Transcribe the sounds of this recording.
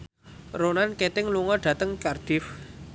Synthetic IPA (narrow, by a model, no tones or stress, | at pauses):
ronanket̪ɪŋluŋɔɖ̥ä̤t̪əŋkard̪̥ɪf